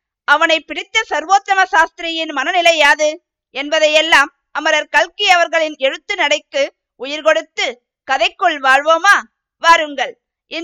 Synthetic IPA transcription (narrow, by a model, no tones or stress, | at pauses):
ɐʋɐnɐɪpːɪɽɪt̪ːɐsɐɾʋoːt̪ːɐmɐsaːst̪ɪɾɪjɪnmɐnɐnɪlɐjaːðɯ | ɛnbɐðɐjɛlːaːm | ʔɐmɐɾɐɾkɐɭkɪɐʋɐɾɣɐɭɪnɛɻɯt̪ːɯnɐɽɐɪkːɯ | ʊjɪɾkɔɽɯt̪ːɯ | kɐðɐɪkːɔɭʋaːɻʋoːmaː | ʋaːɾɯŋɡɐɭ | ʔɪ